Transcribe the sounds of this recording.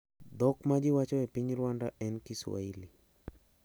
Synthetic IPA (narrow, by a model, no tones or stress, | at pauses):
d̪ɔkmad͡ʒɪwat͡ʃɔepiɲɾwandaʔɛnkɪswa̰ili